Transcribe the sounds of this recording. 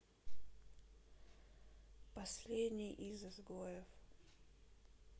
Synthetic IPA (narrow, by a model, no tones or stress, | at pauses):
pɐsʲlʲed̪ʲnʲɪjʔizɨzɡojɪf